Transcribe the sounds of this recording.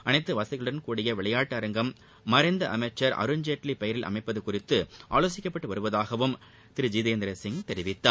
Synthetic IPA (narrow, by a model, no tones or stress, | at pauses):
ʔɐnɐɪt̪ːɯʋaːsɐɣɐɭɯɽɐnkuːɽɪjɐʋɛɭɐjaːʈːɯɐɾɐŋɡɐmː | ɐɾɐɪnd̪ɐʔɐ̰mɐt͡ʃːɐɾɐ̰ɾɯɲd͡ʒeːʈlipɐjɐɾɪlʔɐ̰mɐɪpːɐðɯkːʊrɪt̪ːɯʔa̰ːloːs̬ɪkʲːɐpːɐʈːɯʋɐɾɯʋɐðaːɣɐʋɯm | t̪ɪɾɯd͡ʒiːðeːnd̪ɪɾɐsɪŋɡt̪ɛɾɪʋɪt̪ːaː